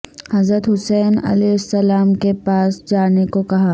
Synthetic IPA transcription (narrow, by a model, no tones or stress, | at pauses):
hɐzɾət̪ɦʊsɛːnɐ̰lɛːɪsːɐlaːmkepaːsd͡ʒaːnekokɐɦaː